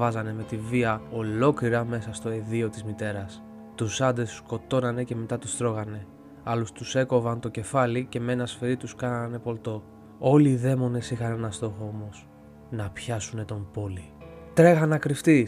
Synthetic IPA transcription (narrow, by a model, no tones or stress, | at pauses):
ɐzɐne̞me̞t̪iviɐo̞lo̞kliɾɐme̞sɐst̪o̞e̞ðio̞t̪izmit̪e̞ɾɐs | t̪usɐnd̪essko̞t̪o̞nɐne̞ce̞me̞t̪ɐt̪ust̪ɾo̞ɣɐne̞ | ɐlust̪use̞ko̞vɐnt̪o̞ce̞fɐlice̞menɐsfeɾit̪uskɐnɐne̞po̞lt̪o̞ | o̞liːðe̞mo̞ne̞sixɐne̞nɐst̪o̞xoomo̞s | nɐpçɐsune̞t̪o̞mbo̞lit̪ɾe̞ɣɐnɐkɾift̪i